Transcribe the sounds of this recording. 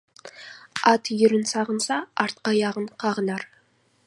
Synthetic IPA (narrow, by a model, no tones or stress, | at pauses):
ɑt̪jʏɾɪnsɑʁənsɑɑɾt̪̚qɑjɑʁəɴqʰɑʁənɑɾ